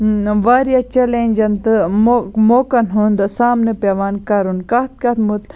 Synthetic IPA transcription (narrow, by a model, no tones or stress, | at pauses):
ʋaːɾijat͡ʃɐlenʲd͡ʒɐnt̪ɨmomoːkɐnɦund̪ɨsaːmnɨpeʋaːnkɐɾunkɐt̪̚kɐt̪mut̪